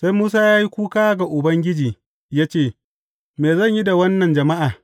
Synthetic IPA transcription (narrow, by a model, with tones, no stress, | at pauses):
sa˦jmuː˦s̬aː˦jaː˦ji˦kʷuː˦kaː˦ɡa˨ʔʊ˨bɐ˦ŋɡʲɪ˦d͡ʒiː˨ | jaː˦t͡ʃeː˦˨ | meː˨zɐ˦˨ɲji˦da˨wɐ˦nːɐ˨nd͡ʒɐ˨ma˦ʔaː˨